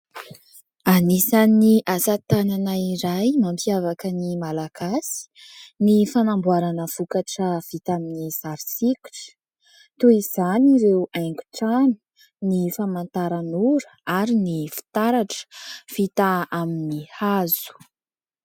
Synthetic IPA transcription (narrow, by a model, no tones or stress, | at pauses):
anisaniʔasat̪ananaiɾajmampiavakənimalaɡ̥asi̥ | nifanambuaɾanəv̥ukaʈ͡ʂəv̥it̪aminiz̥aɾisiku̥ʈ͡ʂə̥ | t̪uiz̥aniɾewajŋɡu̥ʈ͡ʂanu̥ | nifamant̪aɾanuɾəaɾinifi̥t̪aɾaʈ͡ʂə̥v̥it̪aaminihazu̥